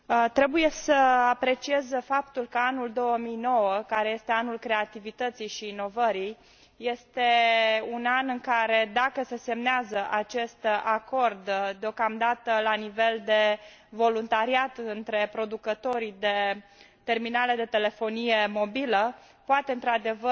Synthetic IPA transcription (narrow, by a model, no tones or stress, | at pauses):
t̪ɾe̞buje̞səapɾe̞t͡ʃiezəfapt̪ulkəanuld̪o̞wəmijno̞wəkaɾe̞je̞st̪e̞anulkɾe̞at̪ivit̪ət̪sijʃiːno̞vəɾij | je̞st̪e̞unanɨŋkaɾe̞d̪akəse̞se̞mneazəʔat͡ʃe̞st̪ako̞rd̪d̪eo̞kamd̪at̪əlanive̞ld̪e̞ | vo̞lunt̪aɾiat̪ɨnt̪ɾe̞pɾo̞d̪ukət̪o̞ɾid̪e̞ | t̪e̞rminale̞d̪e̞t̪e̞le̞fo̞nije̞mo̞bilə | poat̪e̞ɨnt̪ɾad̪e̞və